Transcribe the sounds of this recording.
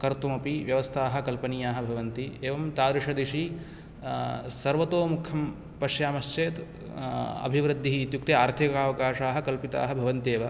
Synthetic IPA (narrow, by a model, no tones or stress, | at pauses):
kɐɾt̪umɐpiʋjɐʋɐst̪ʰaːɦɐ̆kɐlpɐnijaːɦɐ̆bʱɐʋɐnt̪ieːʋɐmt̪aːd̪ɾiʂɐd̪iʃi | sɐɾʋɐt̪oːmukʰɐm | pɐʃjaːmɐʃt͡ʃeːt̪ | ɐ̰bʱiʋɾɨd̪ʱːiɦiːt̪jukt̪eaːɾt̪ʰikaːʋɐkaːʂaːɦɐ̆kɐlpit̪a̰ːɦɐ̆bʱɐʋɐnt̪eːʋɐ